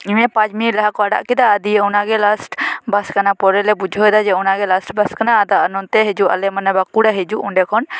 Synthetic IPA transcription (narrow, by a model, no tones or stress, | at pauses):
imɛpad͡ʒmilɛɦakɔaɖa̰ʔkɛd̪aəd̪ijɛɔnaɡɛlasʈbaskanapɔɾɛlɛbud͡ʒʱɔjd̪ad͡ʒɛɔnaɡɛlasʈbaskanaəd̪aənɔnt̪ɛɦed͡ʒuʔa̰lɛmənabakuɽaɦed͡ʒuʔṵɳɖɛkʰɔn